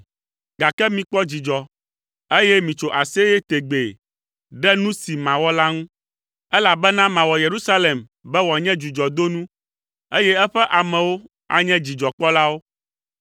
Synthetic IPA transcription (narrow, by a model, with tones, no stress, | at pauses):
ɡa˨kɛ˦mĩ˨k͡pɔ˦d͡ʑi˨d͡ʒɔ˨ | e˦jɛ˦mĩ˨t͡ʃo˨ʔa˨se˦jɛ˦t̪e˨ɡ͡be˨ | ɖɛ˦nũ˦si˨mã˨wɔ˦la˦ŋũ˦ | ɛ˦la˨bɛ˦nã˦mã˨wɔ˨je˨ɾu˦sa˦le˨m | bɛ˦wɔ˨a˨ɲɛ̃˦d͡ʒu˨d͡ʒɔ˨d̪o˦nũ˦ | e˦jɛ˦ɛ˦ɸɛ˦ʔa˨mɛ̃˨wo˦ | a̰˨ɲɛ̃˦d͡ʑi˨d͡ʒɔ˨k͡pɔ˦la˦wo˦